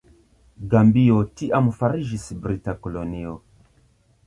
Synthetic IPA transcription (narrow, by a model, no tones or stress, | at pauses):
ɡambiotiʔamufaɾiʒisbɾitakoloniɔ